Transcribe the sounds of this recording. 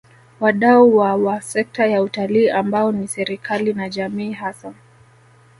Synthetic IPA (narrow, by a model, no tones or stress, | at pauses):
waɗauwawasɛk̚tajautaliːʔambaɔnisɛɾikʰalinaʄamiːɦasa